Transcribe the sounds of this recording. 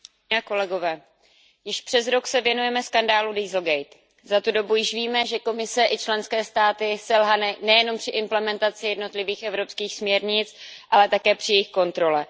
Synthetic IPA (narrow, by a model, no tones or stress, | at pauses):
ako̞lɛɡo̞vɛː | jɪʃpr̥ɛzɾo̞ksɛvjɛnujɛmɛskandaːludiːzl̩ɡɛjt̪ | zat̪udo̞bujɪʃviːmɛʒɛko̞mɪsɛʔɪt͡ʃlɛnskɛːst̪aːt̪ɪsɛlɦanɪnɛjɛno̞mpr̥ɪʔɪmplɛmɛnt̪at͡sɪjɛdno̞t̪lɪviːxʔɛvɾo̞pskiːxsmɲɛɾɲɪt͡sʔalɛt̪akɛːpr̝̥ɪjɛjɪxko̞nt̪ɾo̞lɛ